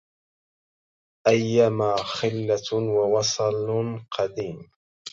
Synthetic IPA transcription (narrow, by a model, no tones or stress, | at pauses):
ʔajːamaːxɪlːawawɑsˤlqʰɑd̪iːm